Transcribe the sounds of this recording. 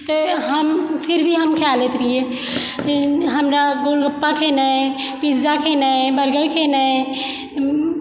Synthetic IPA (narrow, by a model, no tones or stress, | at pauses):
t̪əɦəmpʰiɾbʱiɦəmkʰalet̪ɾije | ɦəmɾaɡolɡəpːakʰenə | pid͡ʒzakʰenəbəɾɡəlkʰenə